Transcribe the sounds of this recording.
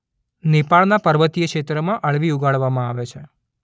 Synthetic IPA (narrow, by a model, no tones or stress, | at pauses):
nipaɭnapəɾʋət̪ijəkʃet̪ɾəmãʔəɭʋiuɡaɭʋamãaʋet͡ʃʰe